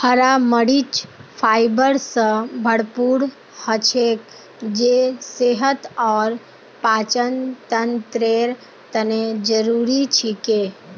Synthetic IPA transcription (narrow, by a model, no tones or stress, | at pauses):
həɾaməɽit͡ʃpʰaːɪbəɾsə̃bʱəɽpuːɾ | hət͡ʃʰek | d͡ʒeseɦət̪ɔːɾ | paːt͡ʃənt̪ənt̪ɾeɾ | t̪əned͡ʒəɾuːɾit͡ʃʰike